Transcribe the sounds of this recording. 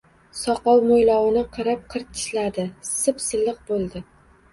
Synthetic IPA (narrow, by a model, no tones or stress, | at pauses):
sɒqɒwmojlˠɒwɪnɪqʰɨɾɪp̚qʰɨɾt̪ʰɪ̥ʃlad̪ɪsɨpsɨlˠːɨq̚bolˠd̪ɪ